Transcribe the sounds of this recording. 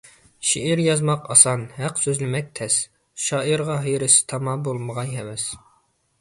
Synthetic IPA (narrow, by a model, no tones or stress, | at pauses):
ʃiʔiɾjɑzmɑqɑ̰sɑnhæqsøzlnɪmɛk̚ʲt̪ʰɛs | ʃɑːʔiɾʁɑɦejɾɪsɪ̥t̪ʰɑmɑbolˠməʁɑjɦɛvɛs